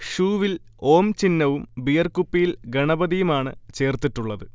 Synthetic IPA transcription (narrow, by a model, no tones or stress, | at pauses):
ʂuːʋil | o̞ːmt͡ɕinːɐʋumbijɐrkupːijilɡɐɳɐbɐðijumaːɳɨ̰t͡ɕe̞ːrt̪iʈːuɭːɐðɨ